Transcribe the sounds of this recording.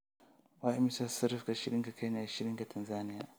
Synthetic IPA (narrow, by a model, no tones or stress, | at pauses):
waːʔɪmisḁsɐɾɪfkaʃɪɽɪŋkakajnaːaʃɪɾɪŋkatʰɐnzaːnɪjaː